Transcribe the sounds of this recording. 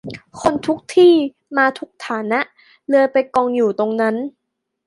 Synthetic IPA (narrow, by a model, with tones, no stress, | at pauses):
kʰo˧nt̪ʰu˦˥k̚t̪ʰiː˥˩ | maː˧t̪ʰu˦˥k̚t̪ʰaː˩˦na˦˥ʔ | lɯ˧əpa˧jkɔː˧ŋjuː˨˩t̪o˧ŋna˦˥n